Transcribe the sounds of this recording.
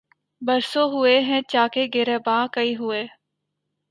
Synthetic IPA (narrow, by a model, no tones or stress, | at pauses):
bəɾsoːɦʊeɦɛ̃ːt͡ʃaːkeɡeɾeːbãːkəiːɦʊeː